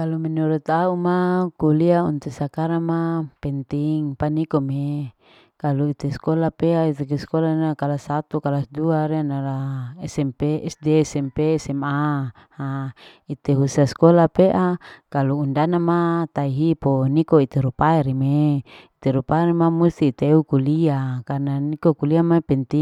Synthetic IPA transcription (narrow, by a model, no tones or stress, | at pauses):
kalumɛnuɾut̪aumakuliaunt̪usakaɾamapɛnt̪iŋpanikome | kaluit̪eskolapeait̪ekeskolanakalasat̪ukalasduaɾianalaɛsɛmpeɛsdesɛmpeːsɛma | ha | it̪eɦusaskolapeʔakaluundanamat̪aiɦiponikoit̪eɾupaɛɾimeit̪eɾupaɛɾimamust̪iːt̪eukuliakarnanikokuliamapɛnt̪i